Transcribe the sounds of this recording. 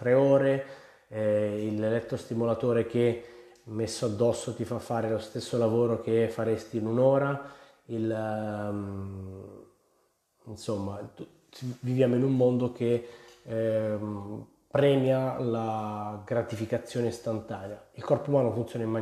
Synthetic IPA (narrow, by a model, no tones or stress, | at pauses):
t̪ɾeoːɾe | ilelɛt̪ːost̪imolat̪oːɾek̟e | mesːoad̪ːɔsːot̪ifafːaːɾelost̪esːolavoːɾok̟efːaɾest̪iːnunoːɾa | il | insomːat̪u | t͡ʃvivjaːmoinumːond̪ok̟e | pɾɛːmjalaɡɾat̪ifikat̪sːjoːneist̪ant̪aːneailkɔrpomaːnofunt̪sjoːnaima